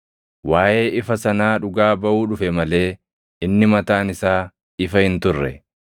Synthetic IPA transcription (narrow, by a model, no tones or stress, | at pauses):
waːʔe̞ːʔɪfɐsɐnaːᶑʊɡaːbɐʔuːᶑʊfɛmɐle̞ː | ɪnːɪmɐt̪aːnɪsaː | ɪfɐhɪnt̪ʊrːɛ